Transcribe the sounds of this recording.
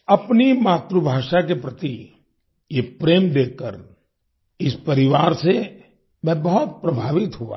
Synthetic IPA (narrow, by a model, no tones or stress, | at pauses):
ɐpnimaːt̪ɾubʱaːʃakepɾɐt̪i | jepɾeːmd̪eːkːə̰ɾ | ɪspɐɾɪʋaːɾse | mɛ̃bɐɦɔt̪̚pɾɐbʱaːʋɪt̪ɦua̰ː